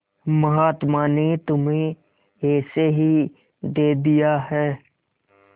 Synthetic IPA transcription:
məɦaːt̪maːnet̪ʊmɦẽ | ɦeːseɦi | d̪eːd̪ijaɦɛː

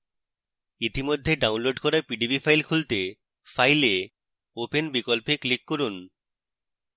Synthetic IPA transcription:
it̪imod̪ʱːeɖawnloɖkɔɾapiɖibifʰajlkʰult̪e | fajle | openbikolpeklikːoɾun

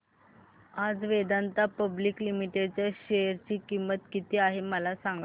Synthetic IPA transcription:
ad͡zʋed̪ant̪apəbliklimiʈeɖt͡ɕaɕejəɾt͡ɕiːkimːət̪kit̪iːaɦeməlasaŋɡa

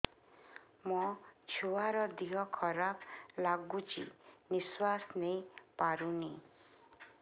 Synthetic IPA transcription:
mɔt͡ʃʰuaɾɔd̪iɦɔkʰɔɾaplaɡut͡ʃʰḭniswasnejpaɾuni

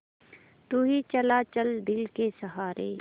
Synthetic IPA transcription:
t̪uɦit͡ʃɐlaːt͡ʃəld̪ɪlkesɐɦaːɾḛː

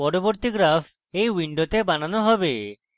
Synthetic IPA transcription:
ɔɽoboɾt̪iɡɾapʰ | ejwiɳɖot̪ebananoɦɔbe

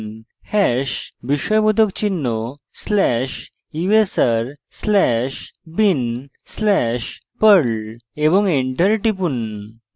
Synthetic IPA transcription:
hɛɕbiɕɔjbud̪ʱəkt͡ɕinːo | slɛɕ | iʋesəɾslɛɕbin | slɛɕpəɾɭebɔŋiɳʈəɾʈipun

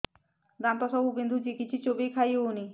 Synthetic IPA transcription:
d̪amt̪ɔsɔɦubend̪ʱud͡ʑikit͡ɕʰit͡ɕobejkʰajeoni

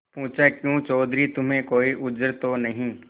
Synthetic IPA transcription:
pũːt͡ʃakjũːt͡ʃɔːd̪ɾit̪ʊm̤ẽkoːiʔʊd͡ʒəɾt̪onɐɦĩ

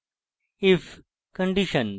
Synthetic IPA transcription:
if | kə̃ɳɖiʃə̃n

